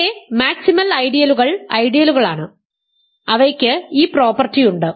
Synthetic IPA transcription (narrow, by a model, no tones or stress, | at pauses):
emaːksimɐlɐjɽijɐluɣɐɭɐjɽijɐluɣɐɭaːɳɨ | ɐʋɐkʲːɨiːpro̞ːpɐrtːijuɳɖɨ